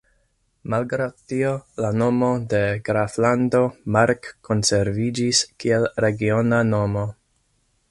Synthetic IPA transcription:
malɡɾawdtio̞lano̞mo̞de̞ɡɾaflando̞maɾkːo̞nse̞ɾvid͡ʒiskielɾe̞ɡio̞nano̞mo̞

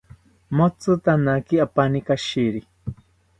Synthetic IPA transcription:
mot͡sɨt̪anakiapanikaʃiɾi

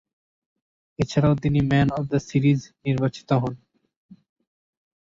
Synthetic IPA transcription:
et͡ɕʰaɾaot̪̬inimɛnɔfd̪ɐsiɾizniɾbat͡ɕi̥t̪oɦɔn

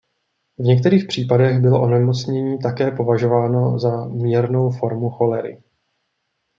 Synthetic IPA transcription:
vɲɛk̚t̪ɛɾiːxpr̝̥iːpadɛɣbɪlo̞ʔo̞nɛmo̞t͡sɲɛɲiːt̪akɛːpo̞vaʒo̞vaːno̞zamiːɾno̞wfo̞ɾmuxo̞lɛɾɪ̰

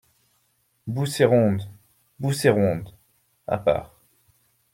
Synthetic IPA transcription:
buseʁɔ̃d̪ | buseʁɔ̃d̪ | a̰pa̰ːʁ

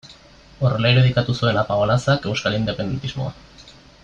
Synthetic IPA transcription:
o̞ɾe̞laeɾe̞ðikat̪usue̞napaɣolasake̞wskalind̪e̞pe̞nd̪e̞nt̪izmo̞̰a

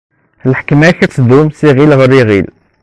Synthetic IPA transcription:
həlħkmækæt̪d̪umsiɣilɣəɾiɣil

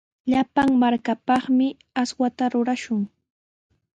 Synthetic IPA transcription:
ʎapaŋmaɾkapɑχmɪ | aswat̪aɾʊɾaʃʊŋ

